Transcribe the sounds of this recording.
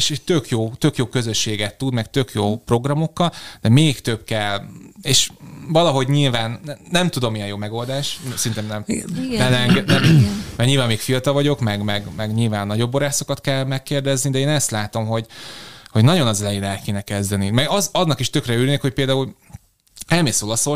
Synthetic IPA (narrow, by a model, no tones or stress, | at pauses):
eʃet̪økjoːt̪ø̞kjoːkø̞zøʃːeːɡɛt̪ːud̪mɛkt̪økjoːpro̞ɡrɒmo̞kːɒld̪̥ɛmeːkt̪ø̞bkɛlːeːʃvɒlɒɦo̞ɟɲilvaːnːɛmt̪ud̪o̞mijɛjoːmɛɡo̞ld̪aːʃsɛrint̪emnɛmɛnɛɛŋɡɛnɛmɛɡɲilvaːmːeːkfijɒt̪ɒvɒɟo̞kmɛɡmɛɡmɛɡɲilvaːnːɒɟo̞bːoɾaːso̞kɒt̪kɛlmɛkːeːrd̪ɛznid̪ɛeːnɛst̪laːt̪o̞mɦo̞ɟho̞ɟnɒɟo̞nɒzɛlɛjeːnɛlkeːnɛkɛzd̪ɛnimɛɡɒzɒnːɒkiʃt̪økrɛyːɾneːkho̞c̚ʲpeːld̪aːul | ɛlmeːsolɒso